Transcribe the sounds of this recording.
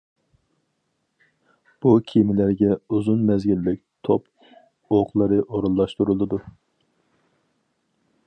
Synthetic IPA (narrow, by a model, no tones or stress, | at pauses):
b̥ukʲʰimɪlæɾɡʲɛuzunmɛzɡʲilːɪk̚ʲt̪ʰop | oqlˠɨɾɨʔoɾulˠːɑʃt̪uɾulˠɨd̪u